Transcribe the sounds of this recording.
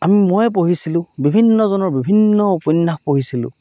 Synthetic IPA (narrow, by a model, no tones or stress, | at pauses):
amimojɛp̬oɦisilʊ̃bibʱinːɔzɔnɔɹbibʱinːɔopɔnːaxpoɦisilʊ̰̃